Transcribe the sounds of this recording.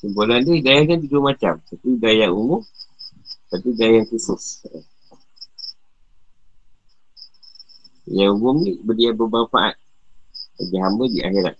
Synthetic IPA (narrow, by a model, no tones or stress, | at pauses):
səmpulandidajakant̪idumat͡ʃamt̪apidajaumʊm | t̪apidajaŋkusʊs | jaumʊmnibədiabəbaŋfaʔa̰t̪̚ | kəd͡ʒaɦambədia̰ɦiɾa̰